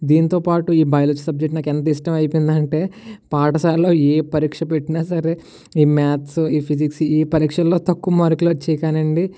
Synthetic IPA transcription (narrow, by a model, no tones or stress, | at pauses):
d̪iːnit̪o̞ːpaːʈuiːbɐjɐlot͡ʃːsɐb̚d͡ʒek̚ʈnaːkɛnt̪ɐiʂʈɐmɐjpind̪ɐɳʈe̞ːpaːʈɐsaːllo̞ːeːpɐɾiːkʂɐpe̞ʈːinaːsɐɾe̞ | iːmaːt̪siːpʰid͡ʒiksiːpɐɾiːkʂɐlo̞ːt̪ɐkːumaːɾukulɐt͡ʃːɛjkaːnɐɳɖi